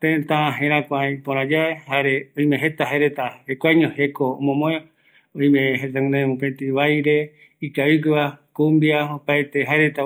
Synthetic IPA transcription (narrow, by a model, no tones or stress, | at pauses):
t̪ẽt̪ãɦẽɾãkʷaj̃põɾ̃ãd͡ʒaehaɾeoĩmẽɦet̪aɦaeɾet̪ahekʷajɲõhekoo̰mõmõe | õĩmẽɦet̪ãnd̪ãmũpet̪iβajɾe | ikaik̬ɨβakũmbiaopaet̪eɦaeɾet̪a